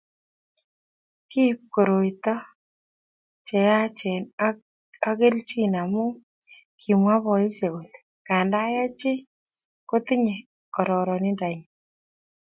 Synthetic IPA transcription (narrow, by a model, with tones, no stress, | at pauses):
ki˦p̚ko˨ɾo˨i˨t̪ɔ˦ | t͡ʃɛ˨ja˦t͡ʃɛ˨n | a˦ke˦lt͡ʃi˦˨na˨mʊ˦ | kʰi˨mwa˦βɔ˨i˦se˨wu˨l | ka˨nda˦ja˦t͡ʃɪ˦ | ko˦t̪ɪ˦ɲe˨ | kɔ˨ɾɔ˨ɾɔ˨nɪ˦nda˨ɲ